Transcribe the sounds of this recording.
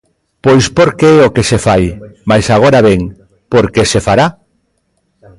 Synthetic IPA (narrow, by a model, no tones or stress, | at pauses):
pojspoɾkeɛokesefajmajsaɣ̞oɾaβeŋ | poɾkesefaɾa